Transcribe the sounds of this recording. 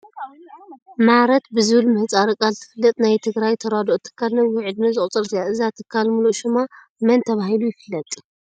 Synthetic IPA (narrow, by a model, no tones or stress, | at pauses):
maɾɐt̪bɨzɨβɨlmɨht͡sʼaɾɨkʼalt̪ʰɨ̥fɨlːɨt̪ʼnajt̪ʰɨɡɾajt̪ʰɐɾad̪ot̪ʰɨ̥kʰːalnɐwʊʕɨd̪nɐzɨχʼt͡sʼɨɾt̪ɨjaʔɨzat̪ʰɨkʰːalmuluʃɨma | mɐnt̪ʰɐβahilujɪfɨlːɐt̪ʼ